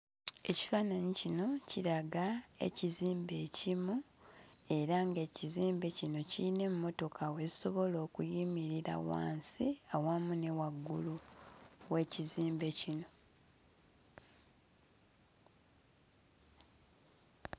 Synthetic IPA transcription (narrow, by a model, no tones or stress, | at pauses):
e̞ci̥faːnaɲicino̞ciɾaɡae̞̰ciziːmbe̞ːcimu | e̞ɾaŋɡe̞ːciziːmbe̞cino̞cine̞mumo̞to̞kʰawe̞iso̞βo̞lo̞ːkujimiɾiɾa̰wa̰ːnsiawamune̞waɡːṵlu | we̞ːciziːmbe̞cino̞